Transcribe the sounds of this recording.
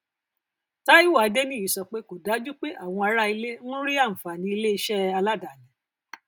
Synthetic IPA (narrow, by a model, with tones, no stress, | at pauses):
ta˦i˦wa˨˦de˦nĩ˦˨i˨˦sɔ˧k͡pe˦ko˨da˨˦d͡ʒu˦k͡pe˦ʔa˦˨w̃ɔ̃˧a˧ɾa˦i˧le˦n̩˦ɾi˦a˦˨m̩˨fa˨nĩ˨˧i˧le˦i˧ʃɛ˦a˧la˦da˨lɛ̃˨